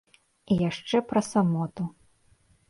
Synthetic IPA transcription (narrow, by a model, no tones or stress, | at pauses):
ijaʂt͡ʂɛpɾɐsamɔt̪u